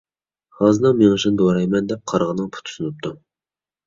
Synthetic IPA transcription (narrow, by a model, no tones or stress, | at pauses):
hɑːzɨnɑmeŋɨʃɨnd̪oɾɑjmɛnd̪ɛp̚qʰɑɾʁənɨŋpʰu̥t̪ʰu̥sunɨp̚t̪ʰu